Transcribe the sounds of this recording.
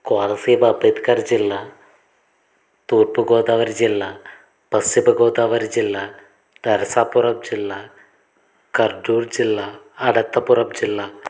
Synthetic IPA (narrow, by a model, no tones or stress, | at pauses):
koːlɐsiːbɐbet̪kard͡ʑilːɐ | t̪uːrpɨɡoːd̪aːʋɐɾd͡ʑilːɐ | pɐsibɐɡoːd̪aːʋɐɾd͡ʑilːɐ | d̪̥ɐɾɐsaːpːurɐp̚d͡ʑilːɐ | kɐrɖuːrd͡ʑilːɐ | ɐɽɐt̪ːɐpurɐp̚d͡ʑilːɐ